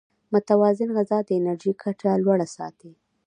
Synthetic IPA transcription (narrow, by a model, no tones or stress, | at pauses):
mʊt̪awɑzɪnɣazɑd̪əɪnaɾʒikʰaʈalwaɽasɑ̰t̪i